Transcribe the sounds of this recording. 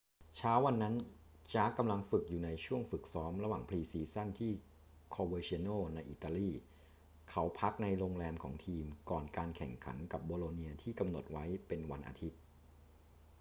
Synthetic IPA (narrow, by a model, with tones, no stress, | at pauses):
t͡ɕʰaː˦˥wa˧nːa˦˥n | t͡ɕaː˦˥kːa˧mla˧ŋfɯ˨˩k̚juː˨˩na˧jt͡ɕʰu˥˩əŋfɯ˨˩k̚sɔː˦˥mɾa˧waː˨˩ŋpʰliː˧siː˧sa˥˩nt̪ʰiː˥˩ | kʰoː˧wɤː˧t͡ɕi˧ə˧noː˥˩na˧jʔḭ˨˩t̪ːaː˧liː˥˩ | kʰa˦˥wpʰa˦˥k̚na˧jɾoː˧ŋɾɛː˧mkʰɔː˩˦ŋt̪ʰiː˧mkɔː˨˩nkaː˧nkʰɛ̰˨˩ŋkʰa̰˩˦nka˨˩p̚boː˧loː˧niː˧ɐt̪ʰiː˥˩ka˧mno˨˩t̪̚wa˦˥jpe˧nwa˧nʔa̰ː˧t̪ʰi˦˥t̪̚